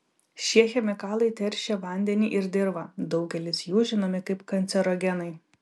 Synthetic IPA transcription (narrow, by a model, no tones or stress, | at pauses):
ʃʲiɛxʲɛmʲɪkɑːlˠɐɪt̪ʲɛɾʲʃʲɛʋɐnʲd̪ʲɛnʲiːʔɪɾd̪ʲɪɾbɐd̪ɒʊɡʲɛlʲɪsjuːʒʲɪnoːmʲɛkɐɪpkɐnʲt̪sʲɛɾɔɡʲɛnɐɪ